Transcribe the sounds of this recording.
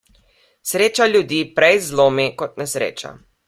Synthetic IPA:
sɾeːt͡ʃaljud̪iːpɾɛjzloːmikɔt̪nɛsɾḛːt͡ʃa̰

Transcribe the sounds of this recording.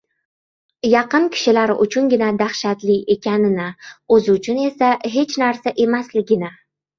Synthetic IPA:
jɑqɨnkʲʰɪ̥ʃɪlaɾɪ̰ʔʊt͡ʃʰʊnɡʲɪnad̪ahʃat̪lie̞kʲʰanɪnɪɵzɪʊt͡ʃʰʊne̞saɦe̞t͡ʃnaɾsaʔe̞maslɪɡʲɪnɪ

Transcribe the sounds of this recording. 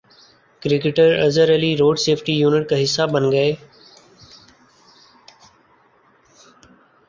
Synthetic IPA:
kɾɪkɪʈəɾəzəɾəliːɾoːɖseːpʰʈiːjuːnɪʈ̚kəɦɪsaːbənɡəeː

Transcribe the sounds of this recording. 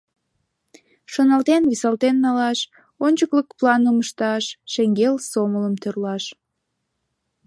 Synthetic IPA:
ʃonɑlt̪enβisɑlt̪enːɑlɑʃ | onʲt͡ɕəkləkplɑnəməʃt̪ɑʃːeŋɡelsomələmt̪ørlɑʃ

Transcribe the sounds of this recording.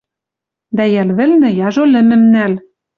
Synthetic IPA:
d̪æjælβɘ̆lnɘ̆jɑʒolɘ̆mɘ̆mnæl

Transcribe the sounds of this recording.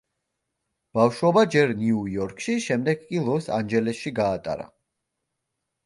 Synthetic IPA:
b̥afʃwɔbad͡ʒɛɾniujɔɾkʰʃiʃɛmd̪ɛɡ̥̚kʼilˠɔsa̰nd͡ʒɛlɛsʃiɡaːt̪ʼa̰ɾa̰

